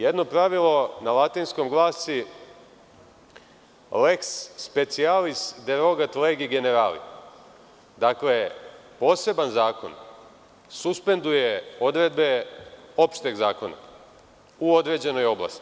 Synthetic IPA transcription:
jed̪no̞pɾaʋilˠo̞nalˠat̪iːnskomɡlˠaːsi | le̞ksːpe̞t̪sialist̪d̪eɾo̞ɡat̪leɡiɡe̞ne̞ɾaːlḭ | d̪aklepo̞ːse̞banzaːko̞̰n | suspe̞nd̪ujeo̞d̪ɾe̞d̪be̞o̞pʃt̪eɡzaːko̞na̰ | uo̞d̪ɾe̞ːd͡ʑe̞no̞jo̞bla̰st̪i

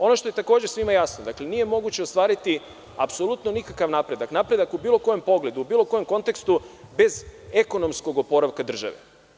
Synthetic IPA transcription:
o̞no̞ʃt̪o̞jet̪ako̞ːd͡ʑesʋimajasnod̪akle̞nije̞mo̞ɡut͡ɕeo̞st̪ʋaːɾit̪i | apso̞lˠut̪no̞nikakaʋnapɾe̞d̪aknapɾe̞d̪akubiːlˠo̞ko̞je̞mpo̞ɡle̞d̪uubiːlˠo̞ko̞je̞mko̞nt̪e̞kst̪ube̞ze̞ko̞no̞msko̞ɡopo̞ɾaʋkad̪r̩ʒa̰ʋḛ

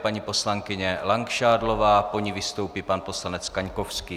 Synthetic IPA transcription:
paɲiːpo̞slaŋkɪɲɛlaŋkʃaːdlo̞vaːpo̞ɲivɪst̪owpiːpanposlanɛt͡skaɲkofskiː

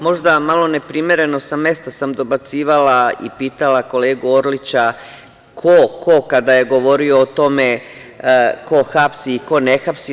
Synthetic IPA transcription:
mo̞ʒd̪amalo̞ne̞pɾime̞ɾe̞no̞same̞st̪asamd̪o̞bat̪siːʋalaḭpiːt̪alako̞le̞ːɡuoɾlit͡ɕa | kʰoko̞kad̪aje̞ɡo̞ʋo̞ɾio̞ːt̪o̞me | ko̞xapsiːko̞nexapsi

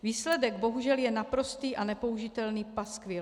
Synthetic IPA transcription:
viːslɛdɛɡ̚bo̞ɦuʒɛljɛnapɾo̞st̪iːʔanɛpo̞uʒɪt̪ɛlniːpaskvjɛ

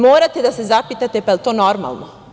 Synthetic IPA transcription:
moːɾat̪e̞d̪ase̞zapit̪at̪e̞paelt̪o̞ːnoɾma̰lˠno

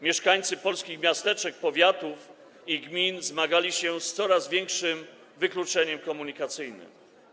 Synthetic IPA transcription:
mʲjɛʂkaɲt̪sɘpɔlskʲixmʲjast̪ɛt͡ʂɛk̚pɔvʲjat̪uf | iɡmʲinzmaɡalʲiɕɛst̪sɔɾazvʲjɛŋkʂɘm | vɘklut͡ʂɛɲɛmkɔmuɲikat̪sɘjnɘ̰m

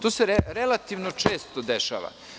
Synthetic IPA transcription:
t̪oːseɾeɾelat̪iʋnot͡ʃeːst̪od̪eʃa̰ːʋa̰

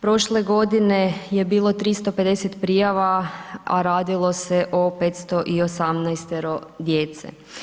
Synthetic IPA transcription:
pɾo̞ʃleɡo̞d̪ine̞jebiːlˠo̞t̪ɾist̪o̞pe̞d̪e̞set̪pɾijaʋaa̰ɾaːd̪ilˠo̞se̞ʔope̞t̪st̪o̞ʔiosamnajst̪eɾo̞d̪jeːt̪sḛ

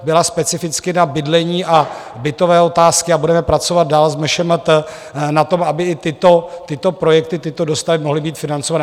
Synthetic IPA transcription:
bɪlaspɛt͡sɪfɪt͡skɪnabɪdlɛɲiːʔa | bɪt̪o̞vɛːo̞t̪aːskɪabudɛmɛpɾat͡so̞vad̪̚daːlzmɛʃɛmət̪ə | nat̪o̞mabɪɪt̪ɪt̪ot̪ɪt̪o̞pɾo̞jɛk̚t̪ɪt̪ɪt̪o̞do̞st̪avɪmo̞ɦlɪbiːt̪fɪnant͡sovan

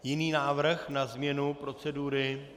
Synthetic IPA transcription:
jɪniːnaːvr̩xnazmɲɛnupɾo̞t͡sɛduɾɪ

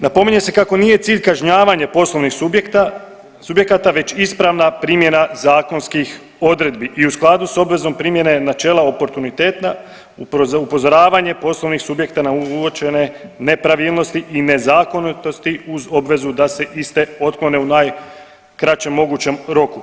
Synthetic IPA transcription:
napo̞miɲe̞se̞kako̞nije̞t̪siːʎkaʒɲaːʋaɲapo̞sloʋnixk̪ | subjekat̪aʋe̞t͡ɕispɾaʋnapɾiːmje̞nazaːko̞nskix | o̞d̪ɾe̞d̪biʔiusklˠad̪uso̞bʋe̞zo̞mpɾiːmje̞ne̞nat͡ʃe̞ːlˠao̞po̞ɾt̪unit̪eːt̪na | upo̞zo̞ɾaːʋaɲe̞po̞slˠo̞ʋnixsubje̞kt̪anauot͡ʃe̞ne̞ne̞pɾaʋiːlˠno̞st̪iʔine̞zaːko̞nit̪o̞st̪iuzo̞bʋe̞zud̪ase̞ʔist̪e̞o̞t̪klˠone̞unaːj | kɾat͡ʃe̞mːo̞ɡut͡ɕe̞mɾo̞ku

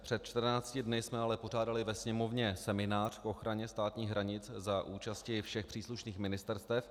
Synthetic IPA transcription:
pr̥ɛt̪̚t͡ʃt̪r̩naːt͡scɪdnɪsmɛalɛpo̞raːdalɪvɛsɲɛmo̞vɲɛsɛmɪnaːr̝̥kʔo̞xɾaɲɛst̪aːt̪ɲiːxɦɾaɲɪt͡szaʔuːt͡ʃascɪfʃɛxpr̥iːsluʃniːxmɪnɪst̪ɛɾst̪ɛf

